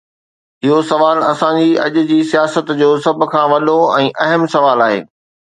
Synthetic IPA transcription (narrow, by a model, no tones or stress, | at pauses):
ɪɦosɐʋaːlɐsãd͡ʑiɐ̰ʄʊd͡ʑiːsijaːsət̪d͡ʑoːsɐb̆ʱkʰãːʋɐɗoɛ̃ːʔɐɦəmsɐʋaːlaːɦḛː